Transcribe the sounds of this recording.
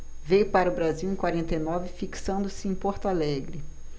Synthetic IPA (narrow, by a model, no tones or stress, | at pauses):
vejʊpaɾɐʊbɾaziwẽj̃kwaɾẽnt̪ejnɔvɪfiksɐ̃nd̪ʊsɪẽj̃pɔɾt̪alɛɡɾɪ